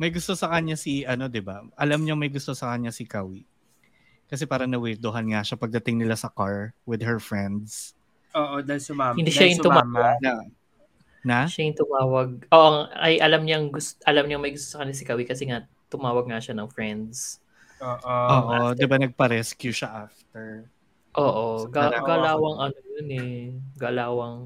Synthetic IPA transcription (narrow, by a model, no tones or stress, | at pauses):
mɐjɡʊst̪o̞sɐkɐɲasiɐno̞d̪ɪbaʔɐlamɲɐŋmɐjɡʊst̪osɐkɐɲːasɪkawi | kɐs̬ɛpaːɾɐnɐwɛd̪oɦɐnŋaʃapɐɡ̚d̪ɐt̪ɪŋnɪlasɐkaɹwɪd̪̚hɛɹfɹɛnd̪̚s | oːʔod̪asahɪnd̪iʃʃajɪnʊmaːna | naʃajɪnt̪ʊmaːwɐɡ̚oʔɐŋɐ̰jʔɐlamɲʊɐŋɡʊstʔɐlamɲɐŋmɐjɡʊst̪osɐkɐnɪsɪkɐwikɐsɛŋa | t̪ʊmaːwɐɡ̚ŋaʃanɐŋfɹɛnd̪s | oːʔoːʔod̪ɪbanɐɡ̚pɐɾɛskjuʃaʔaft̪ɛɹ | ʔoːʔoɡaɡalaːwɐŋʔɐnojonɛɡalaːwɐŋ